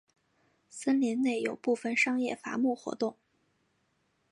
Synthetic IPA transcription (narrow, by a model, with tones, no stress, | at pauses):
sə˥nljɛ˧˥nne˥˩ɪjo˨˩ʊpu˥˧fə˨˩nʂɑ˥ŋjɛ˥˩fa̰˧˥mu˥˩xwɔ̰˧˥t̪ʊ˥˩ŋ